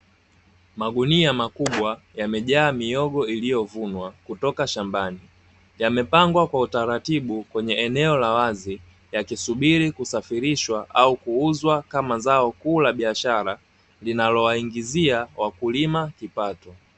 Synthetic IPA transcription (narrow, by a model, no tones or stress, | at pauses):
maɡuniamakuɓwa | jamɛʄaːmiɔɠɔilijɔvunwakutɔkaʃambani | jamɛpaŋɡwakwautaɾatiɓukwɛɲɛɛnɛɔlawazi | jakisuɓiɾikusafiɾiʃwaʔaukuuzwakamazaɔkuːlaɓiaʃaɾa | linalɔwaiŋɡiziawakulimakipatɔ